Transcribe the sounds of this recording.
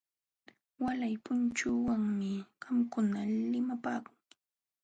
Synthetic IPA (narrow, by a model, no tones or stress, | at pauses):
walajpʊnt͡ʃuwaŋmɪɢɑmkʊnalɪmapaːkʊŋ